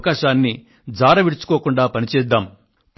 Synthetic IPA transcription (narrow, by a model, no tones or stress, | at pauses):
kaːʃaːnːi | d͡ʒaːɾɐʋiɽut͡ʃu̥koːkuɳɖaːpɐnit͡ʃɛːd̪ːaːm